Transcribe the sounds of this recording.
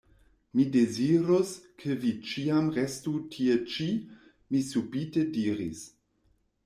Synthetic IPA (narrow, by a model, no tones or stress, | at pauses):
mideziɾoskʰevit͡ʃiamʁestutʰiet͡ʃi | misubitediːɾḭs